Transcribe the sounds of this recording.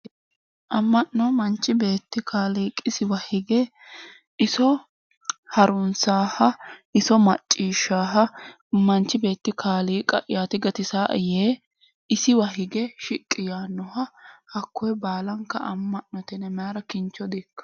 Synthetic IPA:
ʔɐmːɐʔːɔmɐnt͡ʃːɪbe̞ːt̪ːɪkʰaːliːkʼɪsɪwɐhɪɡɛ | ɪsɔ | hɐɾʊnsaːhɐʔɪsɔmɐt͡ʃʼːiːʃːaːɦɐ | mɐnt͡ʃːɪbe̞ːt̪ːɪkʰaːliːkʼɐ̰ʔɪ̰jaːt̪ɪɡɐt̪ɪsaːʔɐjeː | ɪsɪwɐɦɪɡɛʃɪkʼːɪjaːnːɔhɐhɐkːɔjbaːlɐŋkːɐɐmːɐʔnːɔt̪ɛnɛmaːɾɐkɪnt͡ʃːɔd̪ikːɐ̥

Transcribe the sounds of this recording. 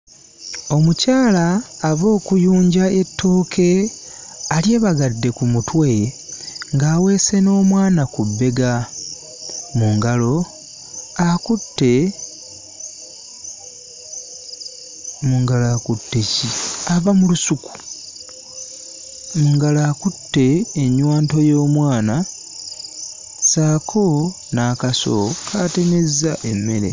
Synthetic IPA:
o̞mucaːlaːβo̞ːkujuːɲɟae̞tːo̞ːkʰe̞ | alje̞ːβaɡadːe̞kumutwe̞ | ŋɡaːwe̞ːse̞no̞ːmwaːnakubːe̞ɡa | muŋɡalo̞ | akutːe | muŋɡalaːkutːeciaβamulusuku̥ | muŋɡalaːkutːe̞ːɲwaːnto̞jo̞ːmwaːna | saːkʰo̞ | naːkaso̞̰kʰate̞me̞zaʔe̞mːe̞le̞̰

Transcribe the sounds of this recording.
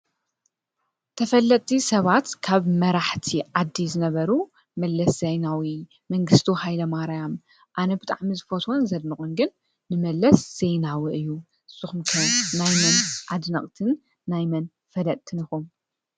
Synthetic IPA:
t̪ʰɐfɐlːɐt̪ʼːisɐβat̪kʰaβmɐɾaħt̪ʰiʕad̪ːizɨnɐβɐɾu | mɐlːɐszɐjnawi | mɐŋɡɨst̪ʰihajlɐmaɾajam | ʔanɐbɨt̪ʼa̰ʕmizɨfot̪ʰonzɐd̪mɨkʼunɡɨnː | ɨmɐlːɐsz̥ejnawɨʔɨjːu | z̥ɨxumkʰɐnajmɐnʔad̪nɐkʼt̪ʰɨnː | ajmɐn | fɐlɐt̪ʼt̪ʰːɨnɨxum

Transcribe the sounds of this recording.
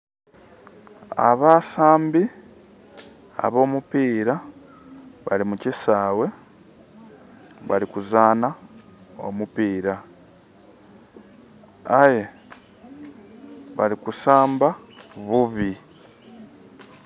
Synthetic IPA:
a̰βaːsaːmbi | a̰βo̞ːmupiːɾa | βa̰limucisaːwe̞ | βa̰likuzaːna | o̰mupiːɾa | aje | βaɾikusaːmbaβuβi

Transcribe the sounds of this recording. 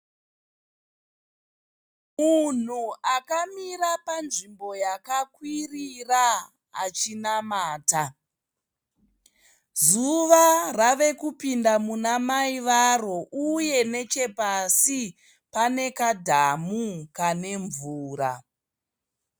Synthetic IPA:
mun̤uakamiɾapanʐimbo̞jakakwiriraː | t͡ʃinamaːta | zuʋaraʋe̞kupindamunamaiʋaro̞ʔuje̞ne̞t͡ʃe̞pasi | pane̞kadʱamukane̞ɱvuːra̰

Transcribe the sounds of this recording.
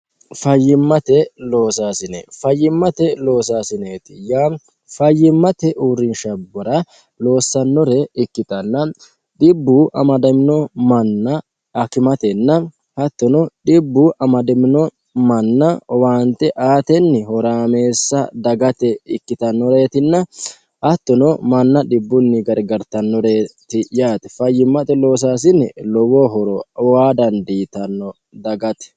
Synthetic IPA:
fɐjːɪmːɐt̪ɛlo̞ːsaːsɪnḛfɐjːɪmːɐt̪ɛlo̞ːs̬aːsɪneːt̪ɪjaː | fɐjːɪmːɐt̪ɛʔuːɾɪnʃɐbɔɾɐ | lo̞ːsːɐnːɔɾɛɪkːɪt̪ɐnːɐ | ɗɪbːuːʔɐmɐd̪ɐmɪnɔmɐnːɐː | kɪmɐt̪ɛnːɐ | hɐt̪ːɔnɔᶑɪbːuʔɐmɐd̪ɛmɪnɔ | mɐnːɐwaːnt̪ːɛʔaːt̪ɛnːɪhɔɾaːme̞ːsːɐd̪ɐɡɐt̪ɛɪkːɪt̪ɐnːɔɾe̞ːt̪ɪnːɐ | hɐt̪ːɔnɔmɐnːɐᶑɪbːʊnːɪɡɐɾɡɐɾt̪ɐnːɔɾeːt̪ɪjaːt̪ɛ̥fɐjːɪmːɐt̪ɛlo̞ːs̬aːs̬ɪnːɛlɔwɔɦɔɾɔwaːd̪ɐnd̪iːt̪ɐnːɔ | d̪ɐɡɐt̪ɛ̥

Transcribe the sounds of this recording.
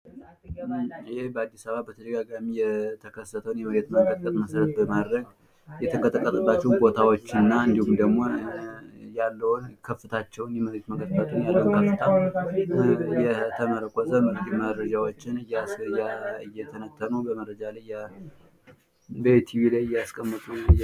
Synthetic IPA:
ɨhebəad̪ːisaβabət̪ʰəd̪əɡaɡamijɛt̪ʰəkʰəsət̪ʰəwnjɛhuɾet̪məŋɡət̪̚ʼkʼət̪ʼməsɾət̪bəmad̪ɾəɡ | jɛt̪ʰəŋkʼət̪ʼəkʼːət̪ʼəbːat͡ʃːɛwnbo̞t̪ʰawot͡ʃːnːaɨnd̪ihumd̪əɡmo̞ | jalːəwnkʰəfːɨt̪ʰat͡ʃːɛwnjɛməɾet̪məɡət̪̚ʼkʼːət̪ʼunjalːəwnkʰəft̪ʰa | jɛt̪ʰəməɾəkʷʼɔzəmɨɾkiməɾəd͡ʒawot͡ʃːɪnɨjjaɨjːɛt̪ʰənət̪ʰːənubəməɾːəd͡ʒalaja | bət̪ʰiβilajɪjːɛaskʼəmːɨt̪ʼu

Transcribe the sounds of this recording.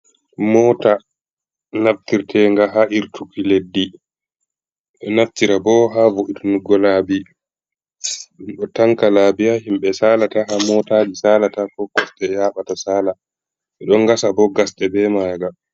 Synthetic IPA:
mɔta | naftiɾtɛŋɡaɦaʔiɾtʰukiledːi | ɓɛnaftiɾabɔɦavoʔitunuɡɔlabi | ɗɔtaŋkalabiaɦimɓɛsaːlataɦamɔtaːd͡ʒisaːlatakɔkːɔsɗɛjaːɓatasaːla | ɓɛɗɔŋɡasabɔɡasɗɛbɛmaːɡa

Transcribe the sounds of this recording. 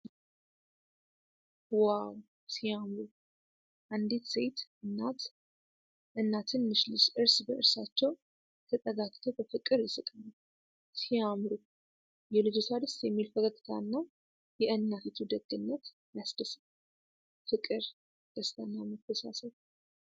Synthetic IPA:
waw | siamɾu | ʔand̪it̪sejt̪ɨnːat̪ | ʔɨnːat̪ʰɨnmɨʃlɨsʔɨɾsbəʔɨɾsat͡ʃːɛw | t̪ʰət̪ʼəɡakʼt̪ʰəwbəfɨkʼːɨɾjɪsɨkʼənu | siamɾu | jɛlɨd͡ʒot̪ʰad̪ɨst̪jɛmːilfəkʰəkʼːt̪ʰa̰nːa | jɛʔɨnːat̪it̪ʰud̪əɡɨnːət̪ | jasd̪əs | fɨkʼɨɾ | d̪̥əst̪ʰʼənːaməfəsa̰səβ

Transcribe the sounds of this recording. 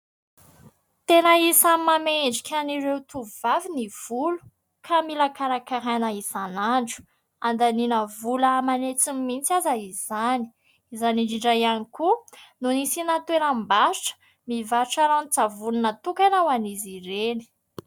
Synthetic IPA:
t̪enaisammameɳɖ͡ʐikʲʰaniɾewt̪uvaviniv̥ulu̥ | kʰamilakaɾakaɦanaisanaɳɖ͡ʐu̥ | and̪aninəvuləːmanet͡simmːint͡sazaizani̥ | izaniɖ͡ʐiɳɖ͡ʐajanikununisinat̪weɾəmbasuʈ͡ʂə̥ | mivaɾʈ͡ʂaɾanit͡savununət̪ukanawaniziɾeni̥

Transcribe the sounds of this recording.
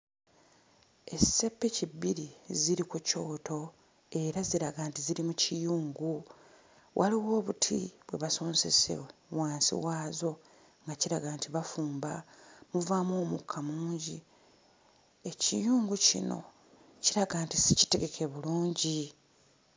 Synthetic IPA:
e̞se̞pːecibːiɾiziɾikuco̞ːto̞ | e̞ɾaziɾaɡaːntiziɾimucijuːŋɡu | wʔaliwo̞ːβutʰḭβwe̞̰βaso̞ːnse̞sḛwaːnsḭwaːzo̞ | ŋɡaciɾaɡaːntiβafuːmbamuvaːmoːmukʰːamuːɲɟi | e̞cijuːŋɡucḭno̞̰ | ciɾaɡaːntisici̥te̞ɡe̞kʰe̞βuluːɲɟi

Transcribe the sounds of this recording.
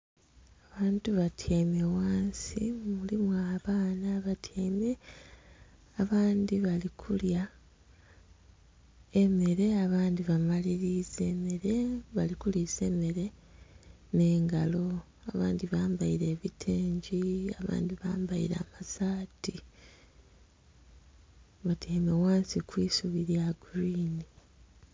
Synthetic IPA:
aβaːntuβatʰeːme̞waːnsḭmulimwaːβaːnaβatʰeːme̞ | aβaːndiβalikʰulja | e̞me̞ɾe̞aβaːndiβamaliɾize̞ːme̞ɾe̞βalikulize̞ːme̞ɾe̞ | ne̞ːŋɡalo̞ | aβaːndiβaːmbajiɾe̞ːβitʰeːɲɟiaβa̰ːndiβaːmbaḭɾa̰masaːti | βatʰeːmewaːnsikwiːsuβiɾjaɡuɾiːni

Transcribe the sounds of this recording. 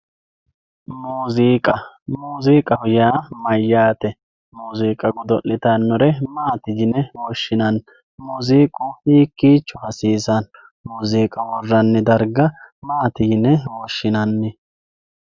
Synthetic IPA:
muːziːkʼɐmuːziːkʼɐhʊjaːmɐjːaːt̪ɛ | muːziːkʼɐɡʊd̪ɔʔːɪt̪ɐnːʊɾɛmaːt̪ɪd͡ʒɪnɛwɔʃːɪnɐn | muːziːkʼʊhiːkːiːt͡ʃːʊhɐsiːsɐn | muːziːkʼɐwɔrːɐnːɛd̪ɐɾɡɐmaːt̪ɪjɪnːɛwɔʃːɪnɐnːɪ

